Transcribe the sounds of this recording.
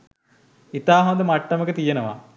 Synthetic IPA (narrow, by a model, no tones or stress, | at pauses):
it̪aːɦond̪əmaʈːɐməkət̪ijenəʋa̰